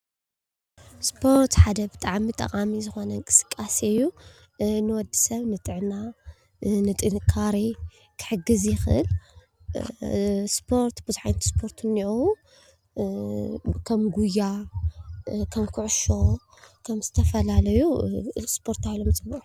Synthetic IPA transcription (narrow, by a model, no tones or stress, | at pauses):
spʰo̞ɾt̪ħad̪ɐbɨt̪ʼaʕmit̪ʼɐ̰qʼamizɨxo̞nɐkʼɨ̥sɨ̥kʼːasjːu | nɨwɔd̪ːisɐβnɨt̪ʼɨʕna | nɨt̪ʼɨnɨkʰːaɾi | kʰɨ̥ħɨɡɨzjɪxɨ̰l | spʰo̞ɾt̪bɨzuħajnt̪ʰi̥spʰo̞ɾt̪ʰnːiʔu | kʰɐmɡuja | kʰɐmkʰuʕʊʃo̞ | kʰɐmz̥ɨt̪ʰɐfɐlalɐjuɨlʼspʰo̞ɾt̪ajlomt͡sʼɨbːuʔu